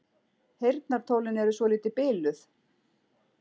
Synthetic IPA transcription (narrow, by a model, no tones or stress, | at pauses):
hejɾt̪naɾ̥t̪ʰowlɪnɛɾʏsvɔliːt̪ɪpɪːlʏθ